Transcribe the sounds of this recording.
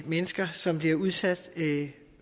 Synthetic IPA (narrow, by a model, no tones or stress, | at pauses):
menəsɡ̥ɐsɒ̽mb̥liɐuð̞ˠsæd̥